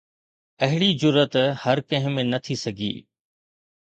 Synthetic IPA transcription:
ɐɦɪɽid͡ʑʊɾət̪hɐɾkɐ̃ɦɪ̃mẽnɐt̪ʰisɐɡʱḭː

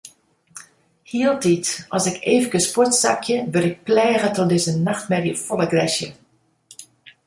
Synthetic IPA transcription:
hiəlˠtitɔsɪkeːvəkəspɔtsa̰kʰjəʋɪlɪk̚plɛːɣətɔdɪzənaxtmɛrjəfɔləɡrɛʃjə̰

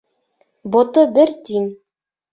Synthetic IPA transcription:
bot̪obɘɾt̪ʲin

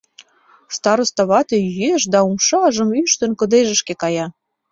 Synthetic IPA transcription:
st̪ɑɾə̆st̪ɑβɑt̪ejeʃd̪ɑumʃɑʒə̆myʃt̪ə̆nkə̆d̪eʒə̆ʃkekɑjɑ

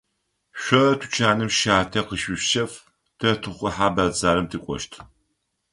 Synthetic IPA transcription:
ɕʷɔɐtʰu̥t͡ʃʰaːnɨmʃaːtʰɐqəʃɪɕʃɐf | tʰɐtʰɨχʷʊħaːbɐzaːɾɨmtʰikʷʼɔ̰ʃtʰ

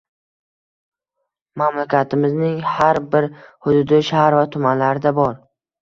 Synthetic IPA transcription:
mamlakʲʰat̪ʰɪmɪznɪŋhaɾbɪɾhʊd̪ʊd̪ɪʃaɾvat̪ʰʊmanlaɾɪd̪abɒɾ

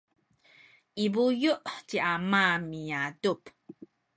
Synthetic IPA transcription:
ʔibujuʔciʔamamijadup

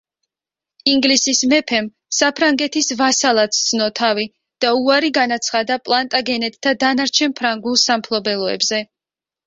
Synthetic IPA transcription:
iŋɡlisismɛpʰɛm | sapʰɾaŋɡɛt̪ʰisvasalˠat̪sd̪znɔt̪ʰavi | d̪̥auaɾiɡanat̪sʰχad̪apʼlˠant̪ʼaɡɛnɛt̪ʼt̪ːad̪anaɾt͡ʃʰɛnpʰɾaŋɡulˠsampʰlˠɔbɛlˠɔɛ̰bzɛ

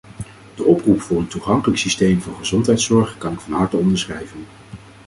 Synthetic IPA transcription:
d̥əʔɔprupfʊːɹəntuχɑŋkələksistejmvʊːɹχəzɔntɦɛjtsɔɹχkɑnɪkfɑnɦɑɹtəɔndəɹsχrɛjvən

